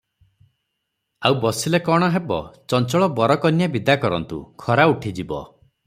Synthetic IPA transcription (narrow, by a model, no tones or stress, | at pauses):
awbɔsilekɔɽ̃ɔɦebɔ̰t͡ʃɔnt͡ʃɔɭɔbɔɾɔkɔnjabid̪akɔɾɔ̰nt̪ṵkʰɔɾauʈʰid͡ʒibɔ̰